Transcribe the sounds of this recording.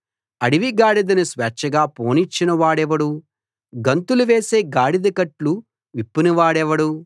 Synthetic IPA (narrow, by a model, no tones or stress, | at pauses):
ɐɽiʋiɡaːɽid̪ɐnisʋɛːt͡ʃːɐɡaːpoːnit͡ʃːinɐʋaːɽɛʋɐɽu | ɡɐnt̪uluʋe̞ːse̞ːɡaːɽid̪ɐkɐʈlu | ʋipːinɐʋaːɽɛʋɐɽu